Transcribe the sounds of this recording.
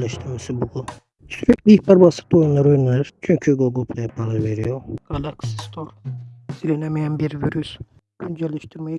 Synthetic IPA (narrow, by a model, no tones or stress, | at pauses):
lɛʃt̪ʰiɾmɛsibuɡlˠu | t͡ʃʰyɾyklʲibaɾbasɯ̥t̪ojunlːˠaɾojunaɾt͡ʃʰyɲcʰyɡoɡopʰlɛjɛpʰalɯveɾijoɡ̥alˠaksi̥st̪ʰoɾzilʲenɛmɛjænbiɾvyɾys | ænd͡ʒɛlʲɛʃt̪ʰɯɾmaj